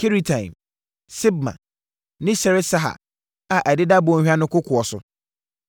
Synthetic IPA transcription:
kʰi˦ɾi˦tʰã˨ɪ̰̃˨m | sɪ˦b̚mã̰˨ | nɪ̃˦sɛ˨ɾɪ˦sa˦ɦa̰˨ | a˨ʔæ˨dɪ˦da˦bʊ˨ɔ˦hᶣa˦nʊ̃˦kʊ˦kʰʊ˨ɔ˨sʊ̰˨

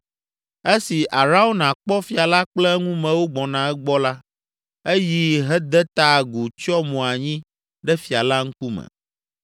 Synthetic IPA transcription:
e˦si˨ʔa˨ɾa˦wo˦nã˨k͡pɔ˦fi˨a˨la˦k͡plɛ˦ŋũ˦mɛ̃˨wo˦ɡ͡bɔ˨nã˨ɛ˦ɡ͡bɔ˦la˦ | e˦ji˦ɦɛ˦d̪ɛ˦t̪a˦˨ɡu˨t͡ʃɔ˦mũ˨a˨ɲĩ˦ | ɖɛ˦fi˨a˨la˦ŋ̩˦ku˦mɛ̰̃˨

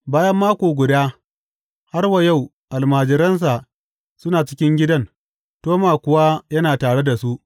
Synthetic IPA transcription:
baː˦jɐ˦mːaː˦kʷoː˨ɡʷʊ˨daː˦ | ha˦rwa˨ja˦˨w | ʔa˨lmaː˨d͡ʒɪ˨ɾɐ˦ns̬a˨ʔ | sʊ˦naː˨t͡ʃɪ̥˦kʲɪ˦ŋɡʲɪ˦dɐ˦n | toː˦maː˨kʷʊ˨waː˦jɐ˦naː˨taː˨ɽe˦da˨su˦ʔ

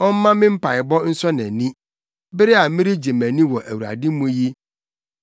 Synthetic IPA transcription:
ɔ˦m˦mã˦mɪ̃˦m̩˦pa˨ɪ˨bɔ˦n̩˦sɔ˦nɛ̃˨nĩ˦ | bɪ˦ɾɪ˦a˨˦mɪ̃˦ɾɪ˦d͡ʑe˨mæ̃˨nĩ˦wɔ˨ʔæ˨wu˨ɾa̰˨dɪ˦mũ˦ji˦

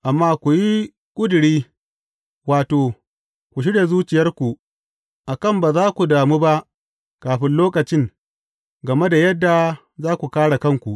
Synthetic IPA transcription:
ʔa˨mːaː˦kʷu˨ji˦ | kʷʼʊ˦dɽiː˦ | waː˨toː˨ | kʷu˨ʃ̬ɪ˦ɽe˨zuː˦t͡ʃɪ˨jɐ˦rkʷu˨ | ʔa˨kɐ˦˨mbaː˨zaː˦kʷu˨daː˨mu˦ba˦ʔ | kaː˨ɸɪ˦nloː˦kɐ˨t͡ʃɪ˦ŋ | ɡɐ˨me˦da˨jɐ˦dːa˨ | zaː˦kʷu˨kaː˦ɽa˨kɐ˦˨ŋkʷu˨ʔ

